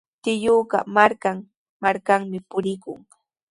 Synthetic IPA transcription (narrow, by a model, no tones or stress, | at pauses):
t̪ɪjoɢɑ̰maɾkaŋ | maɾkaŋmɪpʊɾɪkʊ̰ŋ